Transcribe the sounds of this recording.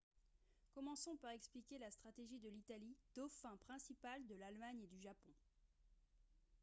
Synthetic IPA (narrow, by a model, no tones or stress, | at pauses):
kɔmɑ̃sɔ̃paʁɛksplikʲelast̪χat̪eʒid̪əlit̪alid̪̥ofɛ̃pχɛ̃sipald̪əlalmaɲed̪yʒapɔ̃